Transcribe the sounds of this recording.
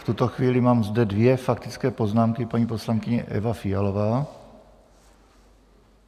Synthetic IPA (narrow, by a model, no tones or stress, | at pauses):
ft̪ut̪oxviːlɪmaːmzd̪ɛdvjɛfak̚t̪ɪt͡skɛːpo̞znaːmkɪpaɲiːpo̞slaŋkɪɲɛ̰ʔɛ̰vafɪjalovaː